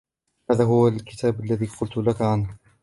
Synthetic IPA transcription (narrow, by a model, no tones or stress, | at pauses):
haːðaɦʊwalkɪt̪ʰaːbalːaðiːqʊlt̪lakʕana